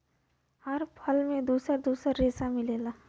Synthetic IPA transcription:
hɐɾpʰɐlmẽd̪uːsəɾd̪uːsəɾɾeːsamɪleːlaː

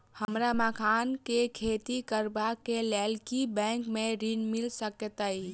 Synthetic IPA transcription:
həmɾamakʰankekʰet̪ikəɾbakːelɛlkibɛ̃ŋkmeɾinmilsəket̪əj

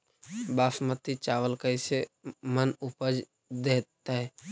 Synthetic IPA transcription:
baːsmət̪it͡ʃaːʋəlkəɪsemənʊpəd͡ʒ | d̪eːt̪aɦɛ

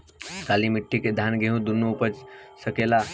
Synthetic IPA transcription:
ɡaːlimiʈʰːiked̪ʱjanɡeɦũd̪unːupəd͡ʒsəkela

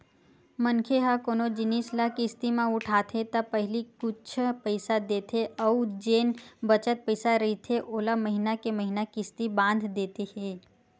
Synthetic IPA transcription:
mənkʰeɦakoːnod͡ʒɪnislakist̪imãʊʈʰaːt̪ʰet̪apɐɦɪlikʊt͡ʃʰpəɪsad̪eːt̪ʰeəud͡ʒeːnbət͡ʃət̪̚pəɪsaɾɐɦit̪ʰeʔoːlaməɦinakeməɦinakist̪ibãːnd̪ʱd̪eːt̪ehɛ̃ː

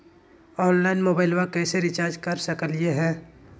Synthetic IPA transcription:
ɔːnlaːɪnmoːbaːɪlʋakɛːseɾɪt͡ʃaːɾd͡ʒkɐɾsəkəlɪjeɦɛː

